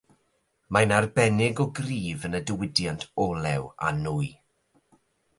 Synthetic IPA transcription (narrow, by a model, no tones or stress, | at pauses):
manarbɛnɪɡɔɡriːvənədəwɪdjantʰɔlˠɛ̰wa̰nuj